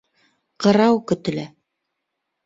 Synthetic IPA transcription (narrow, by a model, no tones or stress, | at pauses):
qɤ̆ɾɑwkɵ̆t̪ɘ̆læ